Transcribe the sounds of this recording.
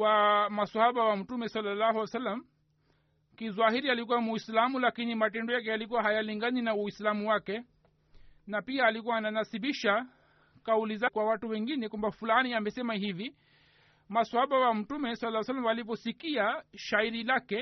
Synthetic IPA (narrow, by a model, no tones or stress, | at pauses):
wamasahaɓawam̩tumɛsalːalahuwsalːam | kizwahiɾialikuwamuislamulakinimatɛndɔjak̬ɛjalikuwaɦajaliŋɡaninauislamuwakɛ | napiaːlikuwaːnanasiɓiʃa | kaulizakwawatuwɛŋɡinɛkwambafulaniamɛsɛmaɦivi | masahaɓawam̩tumɛsalalːasalːamalipɔsikiaʃaiɾilakɛ